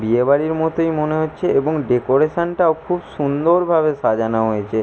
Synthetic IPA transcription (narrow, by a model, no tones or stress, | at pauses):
biebaɽiɾmɔt̪ojmoneɦotːɕʰeeboŋɖekoɾeʃanʈaokʰubʃund̪oɾbʱaβeʃad͡ʑanaɦojet͡ɕʰe